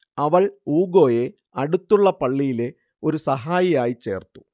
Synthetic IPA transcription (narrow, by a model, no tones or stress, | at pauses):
ɐʋɐɭuːɡo̞ːje̞ | ɐɽut̪ːuɭːɐpɐɭːijile̞ | o̞ɾusɐɦaːjijaːjit͡ɕe̞̰ːrt̪ːu̥